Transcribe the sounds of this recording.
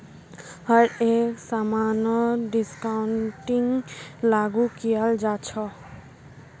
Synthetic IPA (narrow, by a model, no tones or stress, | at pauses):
ɦʌɾeksamanɔɖiskawɳʈiŋlaɡukijald͡ʒat͡ʃʰʌ